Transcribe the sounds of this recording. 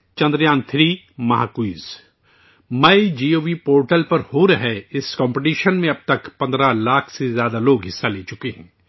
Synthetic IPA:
t͡ʃɐ̃nd̪ɾjãːnt̪ʰɾiː | mɐɦa̰ːkwiːz | mɐjd͡ʒiːoːʋipoːɾʈəlpɐɾhoɾɐɦɛɪskɔ̃ːmpeʈiːʃənmẽɐb̚t̪ɐkpɐ̃nd̪ɾalaːkʰsezjaːd̪aloːɡɦɪsːaleːt͡ʃʊkeɦɛ̰̃ː

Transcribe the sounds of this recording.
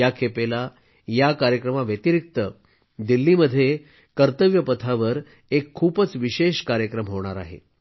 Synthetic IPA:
jakʰepela | jakaɾjəkɾəmaʋjət̪iɾik̚t̪ə | d̪ilːiməd̪ʱːje | kəɾt̪əʋjəpət̪ʰaʋəɾ | ekʰːuːpət͡sʋiɕeɕkaɾjəkɾəmɦoɽ̃aɾa̰ɦḛ

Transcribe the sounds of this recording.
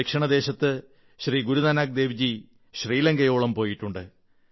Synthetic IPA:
ekʂɐɳɐd̪e̞ːɕɐt̪ːɨ | ɕriːɡuɾuðaːnaːk̚d̪e̞ːʋid͡ʑi | ɕriːlɐŋɡɐjoːɭɐmpo̞ːjiʈːuɳɖɨ

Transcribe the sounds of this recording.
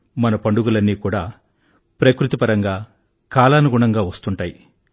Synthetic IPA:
mɐnɐpɐɳɖuɡulɐnːiːkuːɽaː | pɾɐkɾut̪ipɐɾɐŋɡaː | kaːlaːnuɡuɳɐŋɡaːʋɐst̪uɳʈaːji

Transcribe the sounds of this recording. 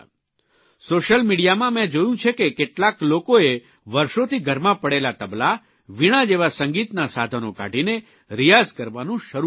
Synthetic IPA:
soʃəlmiɽijamãmɛ̃d͡ʒojũt͡ʃʰekekeʈlaklokoe | ʋəɾʃot̪ʰiɡʱəɾmãpəɽelat̪əbla | ʋiɽ̃ad͡ʒeʋasə̃ŋɡit̪nasad̪ʱənoka̰ʈine | ɾijazkəɾʋanũʃəɾu

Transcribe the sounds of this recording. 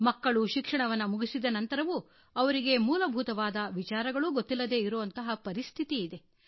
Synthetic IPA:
mɐkːɐɭuʃikʂɐɳɐʋɐnːɐmuɡisid̪ɐnɐnt̪ɐɾɐʋu | ɐʋɐɾiɡe̞muːlɐbʱut̪ɐʋaːd̪ɐʋit͡ʃaːɾɐɡɐɭuɡot̪ːilːɐd̪e̞ːiɾuʋɐnt̪ɐɦɐpɐɾist̪ʰit̪iːd̪e̞

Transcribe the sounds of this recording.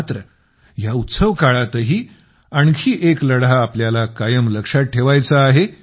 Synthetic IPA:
t̪ɾə | jaut̪səʋkaɭat̪əɦiː | aɳkʰiːʔekləɽaːpljalakajəmləkʂaʈ̚ʈʰeʋajt͡saːɦe

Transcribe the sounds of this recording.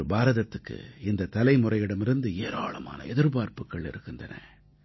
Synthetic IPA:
ɾɯbaːɾɐðɐt̪ːɯkːɯ̰ɪnd̪ɐt̪ɐlɐɪmʊrɐɪjɪɽɐmɪɾɯnd̪ɯeːɾa̰ːɭɐma̰ːnɐ̰ɛðɪɾpaːɾpɯkːɐɭɪ̰ɾɯkːɯndrɐnɐ̰

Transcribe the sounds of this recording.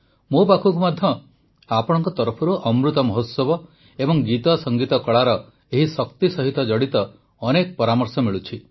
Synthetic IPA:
mopakʰukumad̪ʱjɔ | apɔɽ̃ɔŋkɔt̪ɔɾɔpʰɔɾuʔɔmɾut̪ɔmɔɦot̪sɔbɔ | ebɔŋɡit̪ɔsɔŋɡit̪ɔkɔɭaɾɔ | eɦisɔkt̪isɔɦit̪ɔd͡ʒɔɽit̪ɔː | nekɔpɔɾamɔɾsɔmiɭut͡ʃʰi

